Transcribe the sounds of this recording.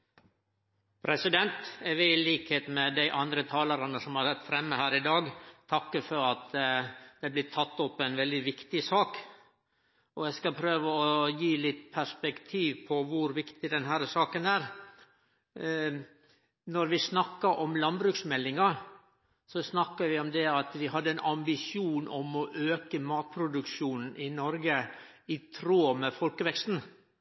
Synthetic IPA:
pʰɾɛsɪd̪ɛnt̪ɛʋɪɪliːkheːt̪mɛd̪æɪʔɑnd̪ɾət̪ʰɑːləɾɑnəsɔmhɑɾsɛt̪ːfɾɛmːəhæːɾɪd̪ɑːɡt̪ʰɑkːəfɔɾɑt̪d̪̥ɛblɪt̪ʰɑt̪ːɔpːɛnʋɛld̪ɪʋɪkt̪ɪsɑːk | ɔɛskɑpʰɾøːʋəɔjiːlɪt̪ːpʰæʂpɛkt̪ʰiːʋpʰɔʋʊɾʋɪkt̪ɪd̪ɛnɦæːɾəsɑːkənæːɾ | nɔɾʋɪsnɑkːɑʔɔmlɑnbɾʉksmɛlːɪŋɑ | sɔsnɑkːəɾʋɪɔmd̪ɛɑt̪ʋɪhɑd̪ːəɛnʔɑmbɪʂjuːnʔɔmɔʔøːkəmɑːt̪̚pʰɾʊd̪ʉkʃuːnn̩ɪnɔɾɡə | ɪt̪ʰɾoːmɛfɔlkəʋɛkst̪n̩

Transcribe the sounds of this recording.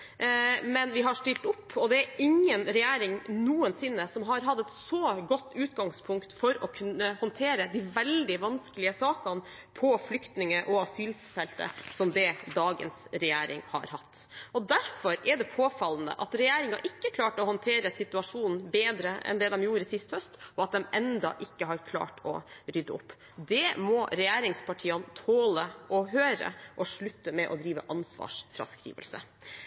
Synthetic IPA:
mɛnʋɪɦɑʂʈɪlt̪ʊpːɔd̪ɛæɾɪŋːənɾɛjæːɾɪŋnuːənsɪnːəsɔmɦɑɾɦɑd̪ːɛt̪sɔɡɔt̪ːʉːt̪ɡɑŋspʰʊŋkt̪fɔɾɔkʰʉnːəhɔnt̪ʰeːɾəd̪ɪʋɛld̪ɪʋɑnskəlɪəsɑːkɑn | pʰɔflʏkt̪nɪŋəʔɔɑsyːlsfɛlt̪ə̰sɔmd̪ɛd̪ɑːɡə̰nsɾɛjeːɾɪ̰ŋhɑ̰ɾhɑ̰t̪ːʔɔd̪æɾfɔɾɛɖɛpʰoːfɑln̩ə̰ʔɑt̪ɾɛjæːɾɪŋɑ̰ʔɪkːəkʰlɑːʈɔhɔnt̪ʰeːɾəsɪt̪ʉɑʂuːnn̩beːd̪ɾəɛ̰nd̪ɛd̪ɛmjuːɾəsɪst̪hœst̪ɔɑt̪̚d̪ɛmɛnd̪ɑ̰ʔɪkːəɦɑɾkʰlɑ̰ːʈʰɔ̰ɾʏd̪əʊpː | d̪ɛmɔɾɛjæːɾɪŋspʰɑʈʰiːɑnt̪ʰoːləʔɔɦøːɾə̰ʔɔʂɭʉt̪ːəmɛʔɔd̪ɾiːʋə̰ʔɑnsʋɑ̰ːʂfɾɑ̰skɾḭːʋə̰lsə̰

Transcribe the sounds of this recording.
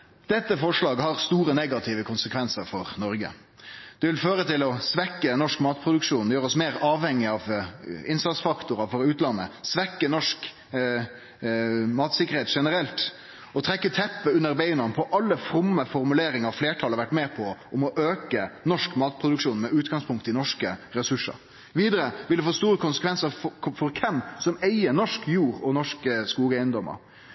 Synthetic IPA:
d̪̥ɛt̪ːəfɔʂlɑːɡhɑɾst̪uːɾənɛɡɑt̪ʰɪːʋəkʰʊnsəkʰʋɛnsəɾfɔɾnɔɾɡə̰ | d̪̥ɛʋɪlføːɾət̪ʰɪlɔsʋɛkːənɔʂkmɑːt̪pʰɾʊd̪ʉkʂuːnjøːɾəɔsmeːɾɑːʋhɛŋːɪɑʋɪnsɑt̪sfɑkt̪ʊɾɑfɔɾʉːt̪lɑnːəsʋɛkːənɔʂk | mɑːt̪sɪkːəɾheːt̪ʂɛnəɾɛlt̪ | ɔt̪ʰɾɛkːət̪ʰɛpːəʉnːəɾbeɪnɑnpʰɔʔɑlːəfɾʊmːəfɔɾmʉleːɾɪŋəɾfleːʈʰɑləɑɾʋæʈmɛːpʰɔʔɔmɔʔøːkənɔʂkmɑːt̪̚pʰɾʊd̪ʉkʂuːnmɛʔʉːt̪ɡɑŋspʰʊŋkt̪ɪnɔʂkəɾɛsʉʂːə̰ɾ | ʋiːd̪əɾəʋɪlfoːst̪uːɾəkʊnsəkʰʋɛnsəɾfɔɾkʰɛmsɔmeɪəɾnɔʂkjuːɾɔnɔʂkəskuːɡæɪənd̪ɔmə̰ɾ

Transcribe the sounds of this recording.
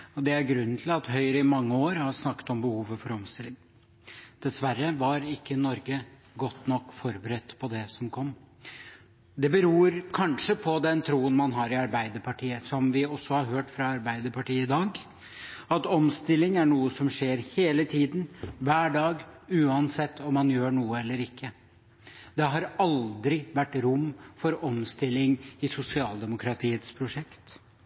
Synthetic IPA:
ɔd̪ɛæɾɡɾʉnːt̪ʰɪlɑt̪ɦœʏɾəɪmɑŋːəoːɾhɑɾʂnɑkːə̥t̪ɔmbəhuːʋəfɔɾɔmst̪ɪlːɪŋ | d̪̥ɛsʋæɾːəʋɑɾɪkːənɔɾɡə | ɡɔt̪ːnɔkːfɔɾbəɾɛt̪ːpʰɔd̪ɛsɔmkʰɔmː | d̪ɛbəɾuːɾkʰɑnʂəpʰɔd̪ɛnt̪ʰɾuːənmɑnɦɑɾɪɑɾbæɪd̪əɾpʰɑʈiːəsɔmʋɪɔsːɔhɑɾɦøːʈfɾɑɑɾbæɪd̪əpʰɑʈiːəɪd̪ɑːɡ | ɑt̪ɔmst̪ɪlːɪŋæɳuːəsɔmʂeːɾheːlət̪ʰiːd̪nʋæːɖɑːɡʉːɑnsɛt̪ʰːɔmːɑnjøːɳuːəɛlːəɾɪkʰːə | d̪̥ɛɦɑɾɑld̪ɾɪʋæʈːɾʊmːfɔɾɔmst̪ɪlːɪŋɪsʊsɪɑːld̪ɛmʊkʰɾɑt̪ʰiːət̪spʰɾʊʂɛkt̪

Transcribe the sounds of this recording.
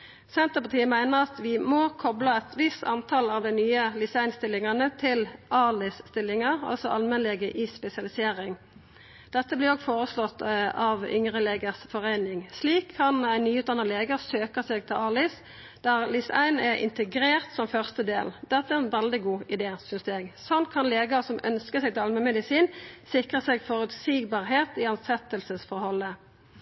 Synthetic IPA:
sɛnt̪əpɑt̪ʰiːəmæɪnəʁɑt̪ʋɪmɔkʰɔblɑɛt̪ʋɪst̪ɑnt̪ʰɑlɑʋd̪æɪnyːəlɪsæɪnst̪ɪlːɪŋɑnət̪ʰɪlʔɑlɪsst̪ɪlːɪŋɑʁɑ̰lsɔʔɑlmɛnlɛɡəʔɪspɛsɪɑlɪseːʁɪŋ | d̪̥ɛt̪ːəblɪɔɡfoːʁəslɔt̪ːɑʋʏ̰ŋʁəleːɡəʁsfɔʁeɪnɪŋsliːkʰːɑnæɪnːyːʉːt̪̚d̪ɑnɑleːɡəʁsøːkɑsɛɡ̚t̪ʰɪlɑlɪs | d̪̥æʁlɪsæ̰ɪnɛʁʔɪ̰nt̪əɡɾeːʁt̪sɔmfœʁst̪əd̪ḛːld̪̥ɛt̪ːəæɛʁɛnʋɛld̪ɪɡuːɪd̪eːsʏnsd̪ɛɡsɔnt̪̚kʰɑnleːɡəʁsɔmʔœ̰nskəsæɛɪɡ̚t̪ɪlɑlmɛnmɛd̪ɪsiːnsɪkʁəsɛɡfɔʁʉt̪siːɡbɑʁɦeːt̪ɪɑnsɛt̪ːəlsəsfɔɾhɔlːə

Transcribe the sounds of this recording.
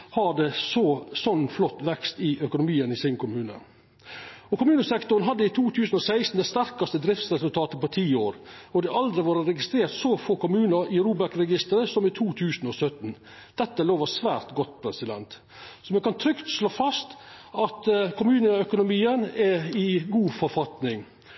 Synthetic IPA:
hɑd̪ɛsɔsɔnːflɔt̪ːʋɛkst̪ɪœkʊnʊmiːənɪsɪnkʰʊmʉːnə̰ | ɔkʊmʉːnəsɛkt̪ʊɾnɦɑd̪ːəɪt̪ʰuːt̪ʰʉːsn̩ɔsæɪst̪n̩d̪ɛst̪æɾkɑst̪əd̪ɾɪft̪sɾɛsʉlt̪ʰɑːt̪əpɔt̪ʰiːoːɾɔd̪ɛʔɑld̪ɾɪʋɑːɾəɾɛɡɪst̪ɾeːɾt̪sɔfoːkʊmʉːnəɾɪɾuːbæɾkɾɛɡɪst̪əɾəsɔmɪt̪ʰuːt̪ʰʉːsnɔsœt̪n | d̪̥ɛt̪ːəloːʋəsʋæːɾt̪ɡɔt̪ːpʰɾɛsɪd̪ɛ̰nt̪ | sɔmɛkɑnt̪ʰɾʏkt̪ʂloːfɑst̪ɑt̪kʰʊmʉːnəœkʊnʊmiːənɛɪɡuːfɔɾfɑt̪nɪŋ

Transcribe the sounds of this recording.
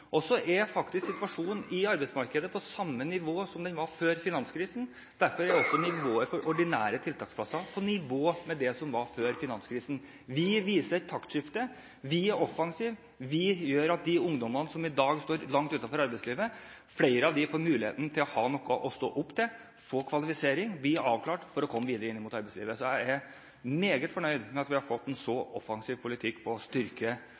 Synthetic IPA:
ʔɔsɔʔɛfɑkt̪ɪsksɪt̪ʋɑʂuːnɪɑɾbɛɪsmɑɾkəd̪əpʰɔsɑmːənɪʋoːsɔmd̪ɛnʋɑɾføːɾfɪnɑnskʰɾiːsən̩ | d̪̥æɾfɔɾæɾɔsːɔnɪʋoːəɾfɔɾʔɔɖɪnæːɾət̪ʰɪlt̪ɑːksplɑsːɑpʰɔnɪʋoːmɛd̪ɛsɔmʋɑɾføːɾfɪnɑnskʰɾiːsn̩ | ʋɪʋiːsəɾɛt̪ʰːɑkt̪ʂɪft̪ə | ʋɪæɾɔfːɑŋsiːʋ | ʋɪjøːɾɑt̪̚d̪ɪʊŋd̪ɔmːənəsɔmɪd̪ɑːɡst̪oːɾlɑŋt̪ʉːt̪ɑnfɔɾɑɾbɛɪsliːʋə | fleɪɾəɑʋd̪ɪfoːɾmʉːlɪhḛːt̪nət̪ʰɪlɔhɑːnɔkːəʔɔst̪o̰ːʔʊpːt̪ʰɛ | foːkʰʋɑlɪfɪseːɾɪŋb̪ɪːɑːʋkʰlɑːʈfɔɾɔkʰɔmːəʋiːd̪əɾəɪnːəmʊt̪ɑɾbɛɪslḭːʋəsɔjæɪæɾ | meːɡət̪fɔɳœʏd̪mɛɑt̪ʋɪhɑɾfɔt̪ːɛnsɔʔɔfɑŋsiːʋpʰʊlɪt̪ʰɪkːpʰɔst̪ʏɾkə

